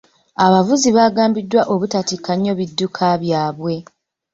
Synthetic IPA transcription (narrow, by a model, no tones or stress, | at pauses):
aβavuziβaːɡaːmbidːwaʔoβutatikːaɲːo̞βidːukʰaβjaːβwe̞